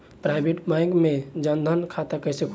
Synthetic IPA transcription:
pɾajbeʈbãjɡmed͡ʒənd̪ʱənkʰat̪akəjsekʰ

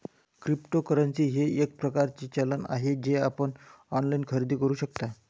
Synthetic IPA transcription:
kɾipʈokəɾənt͡siːɦeek̚pɾəkaɾt͡ɕiːt͡ɕələna̰ɦed͡ʑeapəɳ | ɔnlainkʰəɾid̪iːkəɾuːɕəkt̪a

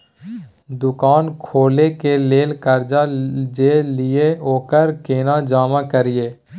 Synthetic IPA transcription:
d̪ʊkaːnkʰoːlekeleːlkəɾd͡ʒad͡ʒelɪeoːkəɾkeːnad͡ʒaːmãkəɾɪeː

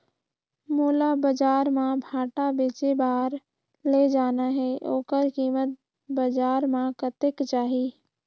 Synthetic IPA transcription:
muːlabəd͡ʒaːɾmãbʱaːʈabeːt͡ʃebaːɾ | led͡ʒaːnaɦɛʔo̰ːkəɾkiːmət̪̚ | bəd͡ʒaːɾmãkət̪ɪkt͡ʃaːɦiː

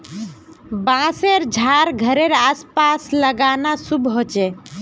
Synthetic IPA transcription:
bãseɾd͡ʒʱaɾɡʱəɾeɾaspasləɡanasubʱɦot͡ʃɛ

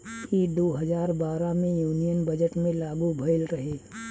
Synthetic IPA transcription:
kid̪oːɦəzaːɾbaːɾamẽjuːnijənbɐd͡ʒəʈmẽlaːɡubʱɐɪlɾɐɦeː

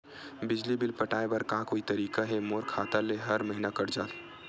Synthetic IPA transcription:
bɪd͡ʒlibɪlpəʈaːebɐɾkãːkoːit̪ɐɾiːkaɦemoːɾkʰaːt̪aleɦɐɾmɐɦinakɐɾd͡ʒaːl

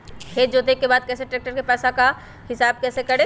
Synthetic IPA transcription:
hed͡ʒot̪eːkːebaːd̪̚kɛːseʈɾeːk̚ʈəɾkepɛːsaka | hɪsaːb̚kɛːsekɐɽe

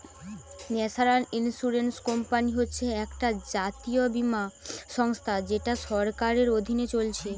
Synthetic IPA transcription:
nɛsaɾaninsuɾenskɔmpaniɦotːɕʰeɛkʈad͡ʑat̪iobimaʃɔŋst̪ʰad͡ʑeʈaʃɔɾkaɾeɾod̪ʱinet͡ɕolt͡ɕʰe

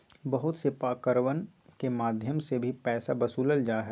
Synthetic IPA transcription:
bɐɦʊt̪sepaːkəɾʋən | kemaːd̪ʱjəmsebʱipɛːsabɐsuːləld͡ʒaːɦɛ

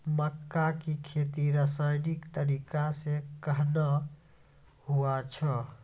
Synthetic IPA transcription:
məkːakikʰet̪iɾəsajnikt̪əɾikasekəɦnə | huat͡ʃʰə

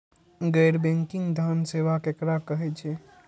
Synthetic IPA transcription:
ɡəjɾbẽŋkĩŋɡd̪ʱənseʋakekɾakəɦɛt͡ʃʰɛ

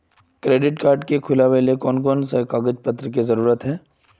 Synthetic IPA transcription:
kɾeːɖɪʈkaːɾɖkekʰʊlaʋeːlekɔːnkɔːnsekaːɡəd͡ʒpət̪ːɾək̬izɐɾuːɾət̪ɦɛː

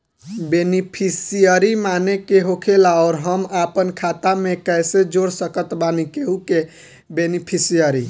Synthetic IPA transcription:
benipʰisijəɾimanekeɦokʰelaɔːɾɦəmapənkʰat̪amekəɪsed͡ʒoɽsəkət̪banikeɦuke | benipʰisijəɾi

